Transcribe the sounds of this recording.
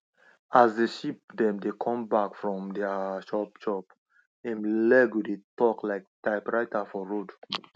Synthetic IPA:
azdeʃip̚dɛ̃mdekʰɔ̃mbakfɹɔ̃mdɛaʃɔpʃɔp | ɛ̃nlɛɡwidetɔklaɪk̚taɪpɹaɪtafɔɹod

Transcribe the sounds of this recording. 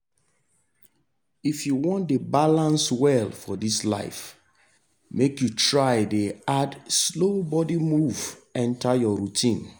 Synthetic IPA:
ifjuwɔ̃ntdebalãnswɛlfɔdisla̰ɪf | mekjutɹaɪdeadslobɔdimuvɛ̃ntajɔɹutʰĩn

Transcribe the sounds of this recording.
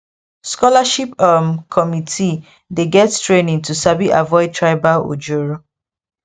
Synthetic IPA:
skɔlaʃipamkʰɔmitʰi | deɡɛttɹenĩŋtʰusabiʔavɔɪd̚tʰɹaɪbao̰d͡ʒoɹo

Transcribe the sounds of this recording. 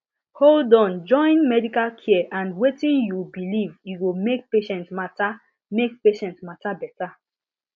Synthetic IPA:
holdɔ̃nd͡ʒɔ̃ɪ̃nmɛdikalkʰiɛʔãndwetĩnjubilivjuwimek̚peʃɛ̃ntmata | mek̚peʃɛ̃ntmatabɛta

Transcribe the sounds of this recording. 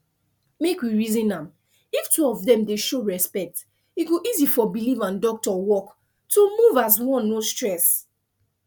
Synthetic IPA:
mekwiɹizĩnãm | iftuɔvðɛ̃mdeʃoɹɛspɛk̚t | iɡoʔizifɔbilivãndɔk̚tɔwɔk | tʰomuvazwɔ̃nːostɹɛs

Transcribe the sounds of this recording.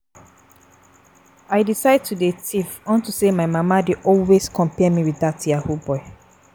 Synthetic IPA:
aɪdisaɪd̚tʰudetʰifɔ̃ntusemaɪmamadeʔɔlweskʰɔ̃mpɛmiwiðatiahubɔɪ

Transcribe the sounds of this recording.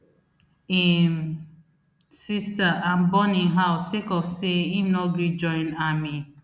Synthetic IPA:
im̩ | sistaʔam̩bɔniŋɦaʊsekɔfseinɔɡid͡ʒɔɪ̃nami

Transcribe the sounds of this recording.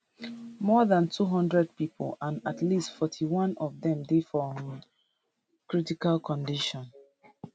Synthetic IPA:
mɔðãntʰuɦɔ̃ndɹɛd̚pipʰo̰lãnatlistfɔtʰiwɔ̃nɔvðɛ̃mdefɔm | kɹitikalkʰɔ̃ndiʃɔ̃n

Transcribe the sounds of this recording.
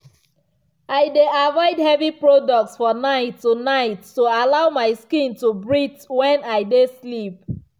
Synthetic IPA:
aɪdeavɔɪdhɛvipɹodɔk̚tsfɔnaɪtːunaɪtːualaʊmaɪskĩntubɹitwɛ̃naɪdeslip̚

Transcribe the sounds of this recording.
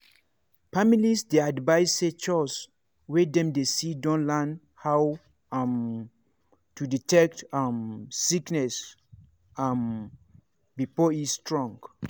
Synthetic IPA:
familisdeadvaɪset͡ʃɔs | wedɛ̃mdesidɔ̃nlãn | haw | m | tuditɛktamsiknɛs | am | bifɔistɹɔ̃ŋɡ

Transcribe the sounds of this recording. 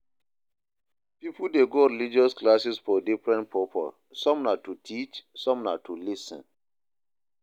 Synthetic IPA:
pipudeɡoɾilid͡ʒɔsklasisfɔdifɹɛ̃ntpɔpʰɔ̰ | sɔ̃mnatutʰit͡ʃsɔ̃mna̰tʰulisɛ̰̃n

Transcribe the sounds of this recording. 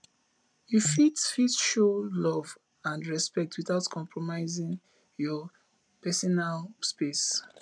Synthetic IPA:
jufitfitʃolɔv | ãnɹɛspɛk̚tʰwiθaʊtkʰɔ̃mpʰɹɔmaɪzĩŋ | jɔ | pɛsɔnalspes

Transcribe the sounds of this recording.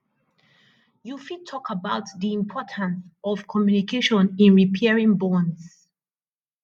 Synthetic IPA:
jufitʰɔkʰəbaʊtðiĩmpʰɔtʰə̃nsɔv̥kʰɔmjunikʰeʃɔ̃nĩnɹipʰɛɹĩŋbɔ̃ns

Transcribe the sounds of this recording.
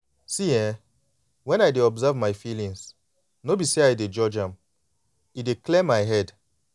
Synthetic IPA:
siɛ̃ | wɛ̃najdeɔbzavmajfilĩŋs | nobiseajded͡ʒɔd͡ʒãm | ideklɛmajɦɛd

